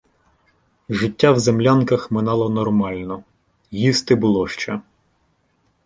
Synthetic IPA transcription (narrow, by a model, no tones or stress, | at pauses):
ʒɪtʲːawzemlʲankɐxmɪnɑlˠɔnɔrmɑlʲnɔ | jist̪ɪbʊlˠɔʃt͡ʃɛ